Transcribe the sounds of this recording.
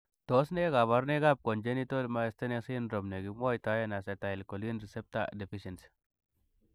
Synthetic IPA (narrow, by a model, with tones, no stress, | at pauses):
to˨˦sne˦ɡa˨βa˦ɾne˦ɡa˦b̚ko˨nd͡ʒe˦ni˦to˦lma˦e˦ste˦ne˦si˦nɾo˨mne˨ɡi˨ma˦jta˨˦je˦na˨se˨ta˨i˨lko˨li˦nɾi˨se˦p̚ta̰˦de˨fi˦ʃe˨ns